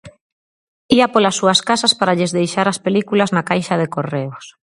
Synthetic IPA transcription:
iapolasːuaskasaspaɾaʎezðejʃaɾaspelikulaznakajʃaðekoreos

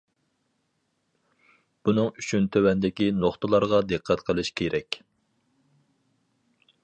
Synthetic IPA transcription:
b̥unɨŋyt͡ʃʰynt̪ʰøwɛnd̪ɪkʲinoχt̪ʰəlˠɑɾʁɑd̪ɨqʰːɛt̪qʰəlˠɨʃkʲʰeɾʔɛkʲ

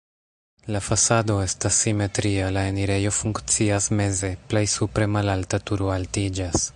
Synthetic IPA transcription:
lafasado̞e̞stasːime̞tɾialaeniɾe̞jo̞fuŋkt͡siasme̞ze̞ple̞jsupɾe̞malaltatuɾoaltid͡ʒas

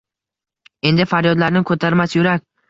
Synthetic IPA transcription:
e̞nd̪ɪfaɾjɒd̪laɾnɪkʰot̪ʰaɾmasjʊɾakʲ

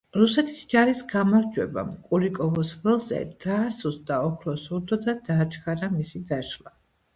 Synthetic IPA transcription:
ɾusɛt̪ʰi̥sd͡ʒaɾisɡamaɾd͡ʒwɛba̰mkʼuɾikʼɔvɔsvɛlˠzɛ̰d̪̥aːsusd̪aɔkʰlɔsuɾd̪ɔd̪ad̪aːt͡ʃʰkʰʼaɾamisid̪aʃla

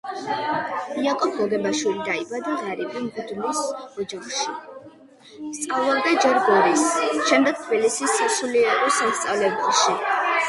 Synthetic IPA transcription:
iakʼɔp̚ʰɡɔɡɛbaʃwilid̪aibad̪aʁaɾibambud̪nisɔd͡ʒaχʃi | mst̪sʼavlˠaɾd̪ad͡ʒɛɾɡɔɾisʃɛmd̪ɛɡ̥̚t̪ʰbilisissuliɛɾɔsamst̪sʼavlɛbulˠʃi

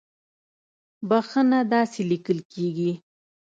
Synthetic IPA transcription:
baxənad̪ɑselikəlkeɡi

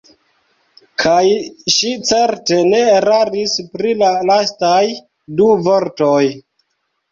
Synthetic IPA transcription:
kʰajʃit͡se̞ɾte̞ne̞ɾaɾispɾilalastaj | duvoɾtoj

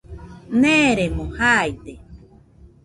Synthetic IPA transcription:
nẽɾemõhajt̪e

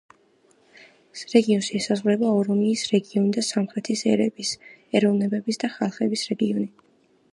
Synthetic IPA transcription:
ɾɛɡiɔnʃiɛsazʁvuɾɛbaɔɾɔmiːsɾɛɡiɔnid̪asamχɾɛt̪ʰisɛɾɛbisɛɾɔvnɛbɛbisd̪aχalˠχɛbisɾɛɡiɔni

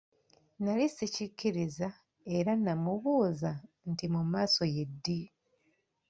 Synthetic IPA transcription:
nalisicicːiɾiza | e̞ɾanamuβuːza | ntimumaːso̞je̞dːi

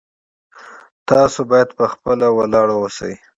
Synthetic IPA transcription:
t̪ɑsobɑjad̪pəxpəlawalɑɽawəsə̰j

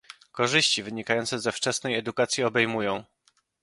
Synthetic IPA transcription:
kɔʐɘɕt͡ɕivɘɲikajɔnt̪sɛzɛft͡ʂɛsnɛjɛd̪ukat̪sʲjiɔbɛjmujɔ̃w̃

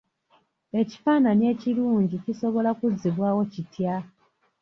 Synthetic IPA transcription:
e̞ci̥faːnanie̞ːciluːɲɟiciso̞βo̞lakuzːiβwaːwo̞citʰja

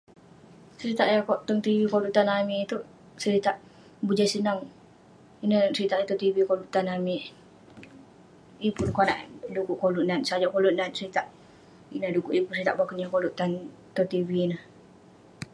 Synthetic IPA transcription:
səɾit̪aʔjakɔʔt̪ɔŋt̪iwikoluʔt̪anamit̪uʔ | səɾit̪aʔ | bud͡ʒasənaŋ | inəsəɾit̪aʔit̪ɔt̪ivikoluʔt̪anami | ipʊnkɔna̰ʔdukuʔkoluʔnansad͡ʒɔʔkoluʔ̚nansəɾit̪aʔ | inədukuʔipunsəɾit̪aʔbakunjakoluʔt̪an | t̪ɔt̪iviːnəh

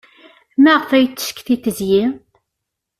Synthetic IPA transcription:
mæʁfæjt͡sːə̥ʃkːθiθəzji

